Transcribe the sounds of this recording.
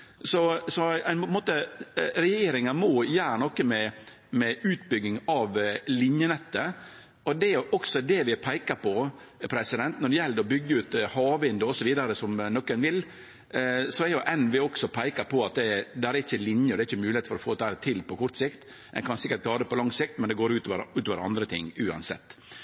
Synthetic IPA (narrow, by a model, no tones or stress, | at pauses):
sɔsɔæɪnpʰɔnmoːt̪əɾɛjeːɾɪŋəmɔjæːɾnɔkːəmɛ | mɛʉːt̪bʏɡɪŋɑʋlɪnjənɛt̪ːə | ɔd̪ɛjʊʔɔksɔd̪ɛʋɪpʰæɪkɑɾpɔpʰɾɛsɪd̪ɛnt̪nɔɖɛjɛld̪əɔbʏɡːəʉːt̪hɑːʋɪnd̪ʊɔsɔʋiːd̪ɑɾəsɔmnɔkːɛnʋɪl | sɔɛɾjʊʔɛnʋɪɔksɔpʰæɪkɑpʰɔɑt̪̚d̪ɛd̪ææɾɛɾɪçːəlɪnjəɔd̪ɛæɪçːəmʉːlɪeːt̪fɔɾɔfoːt̪æːɾt̪ʰɪlpɔkʰɔɾt̪sɪkt̪ | ɛ̰nkʰɑnsɪkːəɾʈ̪̚t̪ʰɑːd̪ɛpɔlɑŋsɪkt̪mɛnd̪ɛɡoːɾʉːt̪ɔʋəɾʉːt̪ɔʋəɾɑ̰nd̪ɾət̪ʰɪ̰ŋːʉːɑ̰nsɛ̰t̪ː